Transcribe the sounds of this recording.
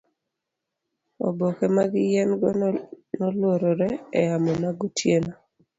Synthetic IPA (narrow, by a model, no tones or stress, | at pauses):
o̰bokɛmaɡɪjɛnɡɔnɔlwoɾɔɾɛɛjamɔmaɡutʰjena